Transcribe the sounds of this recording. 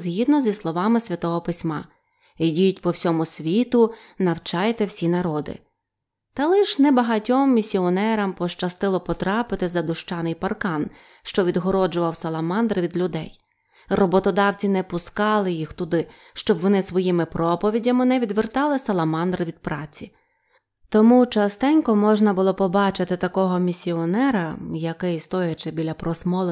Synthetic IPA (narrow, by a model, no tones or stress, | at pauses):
zʲɦʲid̪nɔzʲislˠɔʋɑmɪsʲʋʲɐt̪ɔɦɔpɪsʲmɑ | idʲijʊtʲpɔwsʲɔmʊsʲʋʲit̪ʊ | nɐwt͡ʃɑjt̪ɛwsʲinɐɾɔd̪ɪ̰ | t̪ɐlˠɪʃnɛbɐɦɐtʲɔmːʲisʲiɔnɛɾɐmpɔʃt͡ʃɐst̪ɪlˠɔpɔt̪ɾɑpɪt̪ɪzɐd̪ʊʃt͡ʃɑnɪjpɐrkɑn | ʃt͡ʃɔʋʲid̪ɦɔɾɔd͡ʒʊʋɐwsɐlˠɐmɑnd̪ɾʋʲid̪lʲʊd̪ɛ̰j | rɔbɔt̪ɔd̪ɑwt͡sʲinɛpʊskɑlˠɪjixt̪ʊd̪ɪ | ʃt͡ʃɔbʋɔnɪsʋɔjimɪpɾɔpɔʋʲidʲɐmɪnɛʋʲid̪ʋert̪ɑlˠɪsɐlˠɐmɑnd̪ɾɪʋʲid̪̚pɾɑt͡sʲi | t̪ɔmut͡ʃɐst̪ɛnʲkɔmɔʒnɐbʊlˠɔpɔbɑt͡ʃɪt̪ɪt̪ɐkɔɦɔmʲisʲiɔnɛɾɐjɐkɪjst̪ɔjɐt͡ʃɪbʲilʲɐpɾɔsmɔlˠe